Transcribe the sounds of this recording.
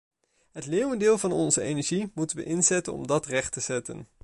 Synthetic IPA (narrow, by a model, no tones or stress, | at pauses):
ɦətleːwəndɪːlˠvɑnɔnzəejnɛɹʒimutənʋə̰ʔɪnzɛtənɔ̰mdɑtrɛχtəz̥ɛtə̰n